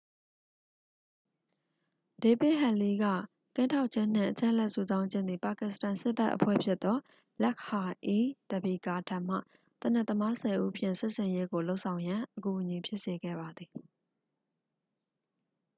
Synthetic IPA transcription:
de˨pɪ˦ʔɦɛ˨li˦ɡä̰˦˨ | kɪ̃˦˨ntʰa˦ʊʔt͡ɕʰɪ̃˦˨n̥ɪ̰̃˦˨ʔət͡ɕã̰˦ʔə˨lɛ˦ʔsu˨zã˦ʊ̃ɲd͡ʑɪ̃˦˨nd̪ði˨pa˨kɪ˨sə̥tã˨nsɪ˦pa˦ʔəpʰwɛ̰˦˨pʰjɪ˦t̪ːɔ˦ | lɛ˦k̚ha˨ʔi˦d̥ə˨bi˨ka˨tʰã˦˨m̥a̰˦˨ | t̪əna˦˨t̪ə˦ma˦sɛ˨ʔu˦ʔpʰjɪ̰̃˦˨sɪ˦ʔsɪ̃˨je˦ɡo˨lo˦ʊʔsʰã˨ʊ̃jã˨ʔəku˨ʔəɲi˨pʰjɪ˦ʔse˨ɡɛ̰˦˨ba˨d̪ði˨

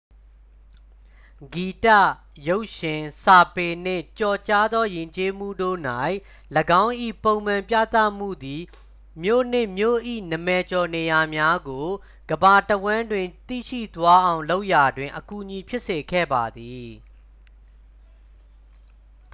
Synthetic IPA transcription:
ɡi˨ta̰˦˨ | jo˦ʊʔʃɪ̃˨sa˨pe˨n̥ɪ̰̃˦˨t͡ɕɔ˨t͡ɕa˦d̪ɔ˦jɪ̃˨ɲt͡ɕe˦m̥ṵ˦˨do̰˦˨na˦˨ɪʔ | ləɡã˦ʊ̃ʔḭ˦˨põ˨ʊ̃m̥ã˨mpjä̰˦˨t̪a̰˦˨m̥ṵ˦˨d̪i˨ | mjo̰˦˨n̥ɪ̰̃˦˨mjo̰˦˨ʔḭ˦˨nə˨mɛ˨t͡ɕɔ˨ne˨ja˨mja˦ɡo˨ | ɡ̥əba˨təwã˦ndwɪ̃˨nt̪ḭ˦˨ʃḭ˦˨t̪wa˦ʔã˨ʊ̃lo˦ʊʔja˨dwɪ̃˨ʔəku˨ʔɲi˨pʰjɪ˦ʔse˨kʰɛ̰˦˨ba˨d̪i˨

